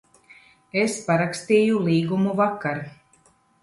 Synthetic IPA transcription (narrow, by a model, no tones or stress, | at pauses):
espaɾakst̪iːjulˠiːɡumuvakːaɾ